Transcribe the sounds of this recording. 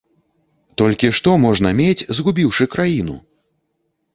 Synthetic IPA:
t̪ɔlʲkʲiʂt̪ɔmɔʐnɐmʲet͡sʲzɣubʲiwʂɨkɾajinṵ

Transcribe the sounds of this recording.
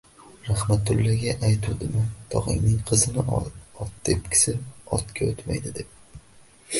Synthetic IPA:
ɾahmat̪ːʊlːaɡʲaʔajt̪ʰud̪ɪmɪt̪ʰɒ̰ʁɪ̰ŋnɪŋqʰɨzɪnɪʔɒ̰ɒt̪ːe̞p̚kʲʰɪ̥sɪɒ̰t̪kʲʰaot̪ma̰jd̪ɪd̪e̞p̚

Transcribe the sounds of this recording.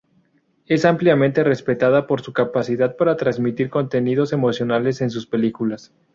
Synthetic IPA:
e̞sampljamẽnt̪e̞re̞spe̞t̪aðapo̞ɾsukapasiðað̚paɾat̪ɾanzmit̪iɾko̞nt̪e̞nið̞o̞se̞mo̞sjo̞nale̞se̞ns̬uspe̞likulas

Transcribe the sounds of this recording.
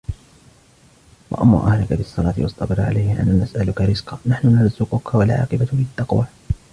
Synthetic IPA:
wa̰ʔamːa̰ːʔahɾˤɑkabɪɑsˤːɑlɑːt̪ɪwɑsˤt̪ˤɑbɑɾˤʕa̰lajhɪʔa̰nːanasʔalʊkaɾɪzqɑːnaħnʊnɑɾˤzʊqʊkawalʕɑ̰ːqɪbabɪt̪ːɑqwa

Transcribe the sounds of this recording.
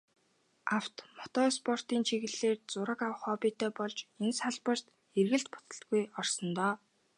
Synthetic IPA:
aw̥t̪mɔt̪ɔːspɔr̥t̪iːnt͡ɕʰiɣɘ̆ɮeːrt͡sʊɾə̆kaw̆χɔːpʲiːt̪ʰeːpɔɮt͡ɕensaɮpə̆rt̪ | erɣɘ̆ɬt̪̚pʊt̪ə̆ɬt̪ɡujɔr̥sɞ̆nt̪ɔː

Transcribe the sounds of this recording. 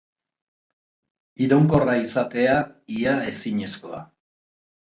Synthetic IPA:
iɾo̞ŋko̞raisat̪e̞aiae̞siɲe̞sko̞a̰

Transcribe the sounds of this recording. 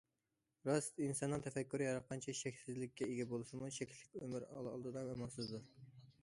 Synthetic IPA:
ɾɑsinsɑnːɨŋt̪ʰɛfɛkʲːyɾɨjɑɾɑt̪̚qʰɑnt͡ʃʰɛʃɛkʲsɪzlɪkʲːɛeɡʲɛbolˠɨsɨmuʃɛkʲʰlɪkʲømɪɾɑ̰lˠɑ̰lˠd̪ɨd̪ɑmɛmɑsɨzd̪u

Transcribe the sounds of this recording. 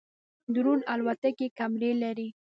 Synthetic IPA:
d̪ɾunalwat̪akekamɾelaɾi

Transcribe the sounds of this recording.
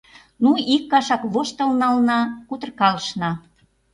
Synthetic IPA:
nuikːɑʃɑkβoʃt̪əlnɑlnɑkut̪ərkɑləʃnɑ

